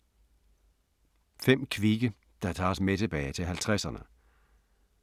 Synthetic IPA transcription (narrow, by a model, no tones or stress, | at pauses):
fem̰kʰʋiɡ̥ə | d̥ɑ̈t͡sʰɑ̰̈ːsmet͡sʰe̝b̥ɛ̰ːɪt͡sʰe̝lɦælt͡sʰʁasɐnə